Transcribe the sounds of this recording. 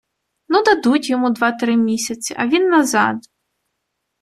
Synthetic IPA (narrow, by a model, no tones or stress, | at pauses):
nud̪ɐd̪utʲjɔmud̪ʋat̪ɾɪmʲisʲɐt͡sʲiʔɐʋʲinːɐzɑ̰d̪